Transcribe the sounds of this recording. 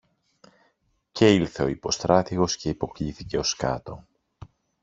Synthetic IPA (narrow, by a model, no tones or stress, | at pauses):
ce̞ilθe̞o̞ipo̞st̪ɾɐt̪iɣo̞sce̞ipo̞kliθice̞o̞skɐ̰t̪o̞